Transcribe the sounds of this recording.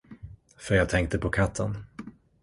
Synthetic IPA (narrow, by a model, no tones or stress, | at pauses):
fœɾjaːt̪ʰɛŋk̚t̪əpʰɔkʰat̪ʰːə̰n